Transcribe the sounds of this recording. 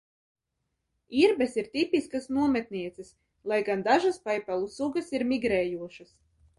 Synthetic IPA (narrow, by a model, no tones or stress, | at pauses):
iɾbɛsiɾt̪ʲipʲiskasnuɔmɛt̪niɛt̪sɛs | lˠajɡand̪aʒaspajpalˠusuɡasiɾmiɡɾɛːjuɔʃɐs